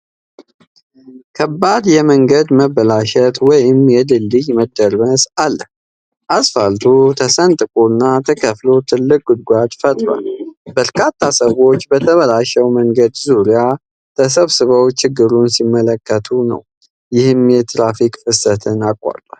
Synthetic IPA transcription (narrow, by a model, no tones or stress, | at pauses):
kʰəbːad̪jɛməŋɡəd̪məβəlaʃɛt̪wɔjɪmjɛd̪ɨlːɨjməd̪ːəɾməsalːəh | ʔasfalt̪ʰut̪ʰəsənt̪ʼɨkʼunːat̪ʰəkʰəflot̪ʰɨlːɨkʼɡʊd̪̚ɡʷad̪fət̪ʼɾwa̰lbəɾkʰat̪ʰːasəwo̞t͡ʃːbət̪ʰəβəlaʃɛwməŋɡəd̪zuɾija | t̪ʰəs̬əβsɨβəwt͡ʃɪɡːɨɾunsimːələkːət̪ʰunə̰w | jɪhɨmjɛt̪ʰɾafikʼfɨsət̪ʰɨnakʼːa̰ɾt̪ʼa